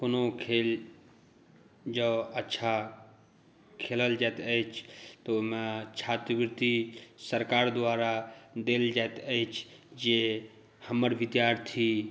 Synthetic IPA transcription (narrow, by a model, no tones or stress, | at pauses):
konokʰel | d͡ʒəətːʃʰa | kʰeləld͡ʒat̪əit͡ʃʰt̪omẽt͡ʃʰat̪əbɾt̪isəɾkaːɾd̪ʊwaːɾad̪eːld͡ʒaet̪əit͡ʃʰd͡ʒe | həməɾʋid̪jaːɾt̪ʰi